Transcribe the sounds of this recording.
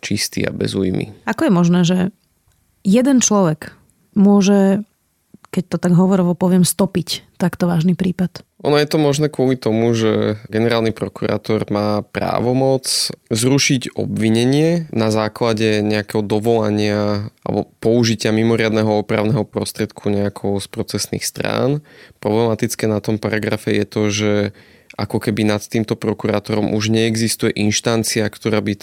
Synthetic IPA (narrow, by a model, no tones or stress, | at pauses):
t͡ʃist̪ḭa̰bɛ̰zujmḭakɔjɛmɔʒnɛːʒɛ | jɛd̪ɛnt͡ʃlɔʋɛɡ | mʊɔʒɛ | kɛc̚t̪ɔt̪aɡɦɔʋɔɾɔʋɔpɔʋɪɛmst̪ɔpict̪akt̪ɔʋaːʒnipɾiːpat̪ʔɔnɔjɛt̪ɔmɔʒnɛːkʊɔlit̪ɔmuʒɛɡɛnɛɾaːlˠnipɾɔkuɾa̰ːt̪ɔɾmaːpɾa̰ːʋɔmɔt͡szɾuʃiɟɔ̰bʋiɲɛɲɪɛnazaːklaɟɛɲɛakɛɦɔd̪ɔʋɔla̰ɲɪaa̰lɛ̰bɔpɔuʒicɪamimɔɾɪad̪nɛɦɔɔpɾaʊnɛɦɔpɾɔ̰st̪ɾɪɛt̪kʰuɲɛakʰɔʊspɾɔt͡sɛsnḭxst̪ɾa̰ːnpɾɔblɛmat̪it͡skɛːnat̪ɔmpaɾaɡɾafɛjɛt̪ɔʒɛ | ʔa̰kɔkɛbinat̪ːiːmt̪ɔpɾɔkuɾaːt̪ɔɾɔmʔuʒɲɛːɡzist̪ujɛʔinʃt̪ant͡siakt̪ɔɾaːbi